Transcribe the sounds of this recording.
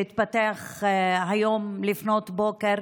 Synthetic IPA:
it̪̚pat̪eaχɦajomlifno̞t̪bo̞keɾ

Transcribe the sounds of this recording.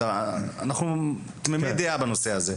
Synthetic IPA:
aa̰naχnu | t̪memed̪eabanoseaze

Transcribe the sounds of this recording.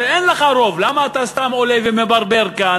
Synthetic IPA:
ʔenleχaɾo̞vlamaːt̪ast̪amolevemebaʁbeʁkan

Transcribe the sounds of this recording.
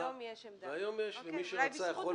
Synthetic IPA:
veajomjeʃvemiʃeat͡sajaχol

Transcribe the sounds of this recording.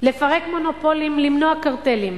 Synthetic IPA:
le̞faʁekmo̞nopo̞limlimnoakaʁt̪elim

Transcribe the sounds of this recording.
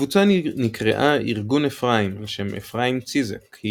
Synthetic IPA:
vut͡sanikʁḛʔaiʁɡunefʁaimleʃemʔḛfʁaimt͡sizekhi

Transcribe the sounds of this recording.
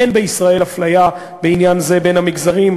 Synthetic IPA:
enbeisʁae̞lhaflaja | beinjanze̞be̞nhamiɡzaʁim

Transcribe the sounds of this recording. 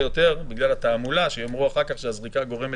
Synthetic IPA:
jo̞t̪e̞ʁbiɡlalat̪aːmulaʃejomʁuaχaʁkaχʃeazʁikaɡo̞ʁeme

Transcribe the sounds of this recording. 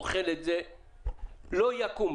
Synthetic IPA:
χɛled͡zɛ | lojakum

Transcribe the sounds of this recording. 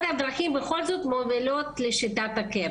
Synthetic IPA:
nad̪ɾaximbexo̞lzo̞t̪movilo̞t̪leʃit̪at̪ake

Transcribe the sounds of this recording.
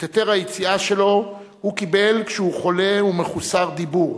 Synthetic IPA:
t̪et̪eʁhajet͡siaʃelo̞ | hukibe̞lkʃɛhuχo̞le̞umeχusaʁd̪ibuʁ

